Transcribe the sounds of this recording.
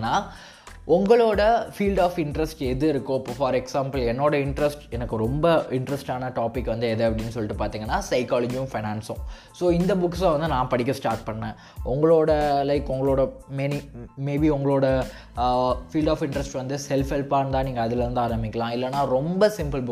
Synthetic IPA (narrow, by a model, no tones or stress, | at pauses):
nːaː | ʔʊŋɡɐɭoːɽɐfiːlɖaːfɪɳɖɾɛsʈɛðɯɪɾɯkːʊ̃ɐpːoːfaːɾɛksaːmpɐlɛnːoːɽɐɪɳɖɾɐsʈɛnɐkːɯɾɔmbɐɪɳɖɾɐsʈaːnɐʈaːpɪkːʋɐnd̪ɯɛðɐɐpɐɽɪnːɯs̬ɔlːɪʈːɯpaːɾt̪iːŋɡɐnːaːsɐɪkaːlɐd͡ʒijʊ̃mfɐɪnaːnsʊ̃ | soːɪnd̪ɐbʊksʋɐnd̪ɯnãːpɐɽɪk̬ʲːɐsʈaːɾʈ̚pɐɳːɛ̃ | ʔʊŋɡɐɭoːɽɐlɐɪkːʊŋɡɐɭoːɽɐmɛnimeːbiʊŋɡɐɭoːɽɐ | fiːlɖaːfɪɳɖɾɐsʈʋɐnd̪ɯsɛlfɛlpaːnt̪ãːniːŋɡɐːðɪlɐɾɯnd̪ɯaːɾɐmbɪkʲːɐlãːɪlːɐnːaːɾɔmbɐsɪmpɐlbʊ